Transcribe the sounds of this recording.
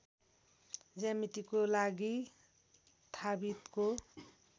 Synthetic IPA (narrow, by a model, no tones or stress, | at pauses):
d͡zamiʈikolaɡi | t̪ʰabit̪ko